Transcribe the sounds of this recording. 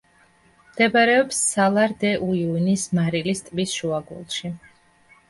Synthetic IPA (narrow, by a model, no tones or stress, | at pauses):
md̪̥ɛbaɾɛɔpsːalˠaɾd̪ɛʔuiunismaɾilist̪ʼbisʃuaɡṵlˠʃi